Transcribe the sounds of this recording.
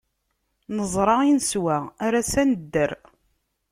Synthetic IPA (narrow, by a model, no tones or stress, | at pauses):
nəzˤɾˤɑinswæaɾæsænəd̪ːəɾ